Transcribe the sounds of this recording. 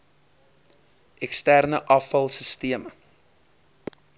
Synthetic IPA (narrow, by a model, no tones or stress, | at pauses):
ʔɛkstærnəʔɐfɐlˠsəstiəmə